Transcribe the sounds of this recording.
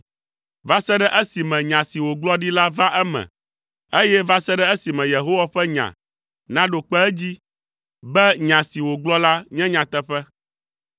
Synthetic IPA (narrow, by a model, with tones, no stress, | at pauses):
va˦sɛ˦ɖɛ˦ʔɛ˦si˨mɛ̃˨ɲã˨si˨wo˨ɡ͡blɔ˦ɖi˦la˦va˦ʔɛ˦mɛ̰̃˨ | e˦jɛ˦va˦sɛ˦ɖɛ˦e˦si˨mɛ̃˨je˨ɦo˦wa˦ɸɛ˦ɲã̰˨ | nã˦ɖo˨k͡pɛ˦ɛ˦d͡ʑi˦ | bɛ˦ɲã˨si˨wo˨ɡ͡blɔ˦la˦ɲɛ̃˦ɲã˨t̪ɛ˦ɸɛ˦